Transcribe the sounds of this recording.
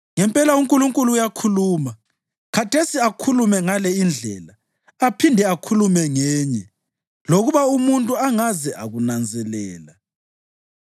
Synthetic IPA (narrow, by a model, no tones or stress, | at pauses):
ŋɛmpʼɛlauŋkʼuluŋkʼuluːjakʰuluːma | kʰatʰesiakʰulumɛŋalɛind͡ɮʱɛ̰la | apʰindʱɛakʰulumɛŋɛːɲɛ | loɣuβaumuntʼuaŋazɛʔa̰ɣunand͡zʱɛlɛ̰ːla